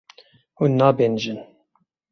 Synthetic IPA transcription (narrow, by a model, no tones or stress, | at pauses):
hunːɑːbeːnʒɨn